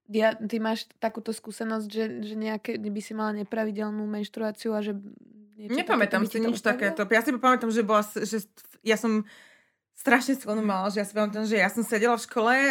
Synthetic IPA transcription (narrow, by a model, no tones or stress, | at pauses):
jat̪imaːʃt̪akuːt̪ɔskuːsɛnɔzɟʒɛʒɛɲɛakɛɲɛbisimalaɲɛpɾaʋiɟɛlnumɛnʃt̪ɾuaːt͡siuaʒɛɲɪɛɲɛpamɛt̪amtiɲit͡ʃt̪akɛːt̪ɔjasit̪ibapamɛt̪amʒɛbɔlasʒɛ | jasɔm | st̪ɾaʃɲɛsilˠnɔmalaʒɛjasi̥pamɛt̪amʒɛjasɔmsɛɟɛlafʃkɔlɛ